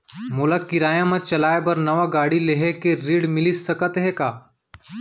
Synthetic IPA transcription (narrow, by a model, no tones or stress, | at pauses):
mʊlakːɪɾaːjãmãt͡ʃɐlaːebɐɾnɐʋaɡaːɽileɦekeɾiːɽmɪlisːɐkət̪ɦɛkaː